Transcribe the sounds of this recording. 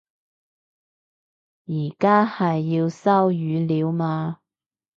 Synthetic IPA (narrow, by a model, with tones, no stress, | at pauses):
jiː˨˩kaː˥hɐ˨jːiː˧wsɐ˥wjyː˨˧liː˨˧wmaː˧